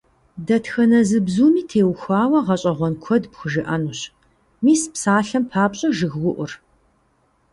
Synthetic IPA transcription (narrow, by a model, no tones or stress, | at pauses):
dɐtxɐnɐzɨbzuːmiːtʰeːwxʷaːwɐʁɐɕʼɐʁʷɔnkʷʰɔdpxʷʊʒɪʔɐnuɕ | miːspsaːɬɐmpʰaːpɕʼɐʒɨɣwʊʔʷʊr